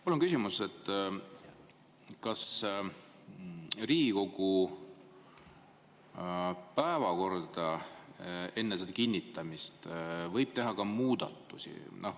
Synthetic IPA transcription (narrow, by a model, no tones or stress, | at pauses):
mulonkysʲimuset̪ːˑ | kɑs | riːɡiko̞ɡ̥u | pæevɑko̞rd̪̥ɑ | e̞nːesed̪ɑkinʲːit̪ːˑɑmist̪vɤjb̥̚t̪eɦɑkɑmuːd̪̥ɑ̰t̪ˑːusʲḭnɑ̰h